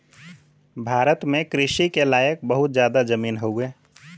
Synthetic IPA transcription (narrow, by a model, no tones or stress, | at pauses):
bʱaːɾət̪mẽkɾɪʃikelaːjək̚bəɦʊt̪̚d͡ʒjaːd̪ad͡ʒəmiːnɦoeː